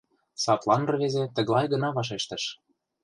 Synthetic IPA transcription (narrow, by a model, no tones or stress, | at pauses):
sɑt̪lɑnrɤβezet̪ə̆ɣlɑjɣɤ̆nɑβɑʃ̬eʃt̪ə̆ʃ